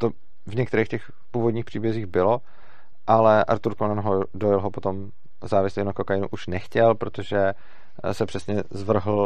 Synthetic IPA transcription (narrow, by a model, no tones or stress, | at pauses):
t̪o | vɲɛkt̪ɛɾɛːxcɛx | puːvodɲiːpr̝̥iːbjɛziːɣbɪlo̞ | ʔalɛʔa̰ɾt̪uɾkonanɦodojɛlɦopo̞t̪o̞m | zaːvɪslinakokajɪnṵʔuʃnɛxcɛlpɾot̪oʒɛ | sɛpr̥ɛsɲɛzvr̩ɦl̩